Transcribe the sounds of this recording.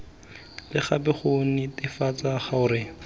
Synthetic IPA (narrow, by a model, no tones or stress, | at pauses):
lɪχabɪχonɪtɪfat͡saχaʊɾɪ